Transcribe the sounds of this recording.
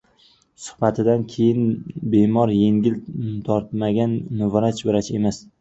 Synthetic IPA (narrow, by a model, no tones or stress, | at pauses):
sʊ̥hbat̪ʰɪd̪ankʲʰe̞jɪnbe̞mɒɾje̞ŋɡʲɪlt̪ʰɒɾt̪maɡʲanːʊvɾat͡ʃbɪɾat͡ʃʰe̞mas